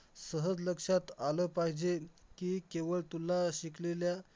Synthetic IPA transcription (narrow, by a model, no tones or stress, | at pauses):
səɦəd͡zləkʂat̪aləpaɦid͡ʑekiːkeʋəɭt̪ulːaɕiklelja